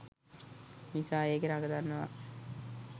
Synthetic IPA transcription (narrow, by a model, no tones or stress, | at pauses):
nisaːeːɡeɾaɡəd̪anːəʋa̰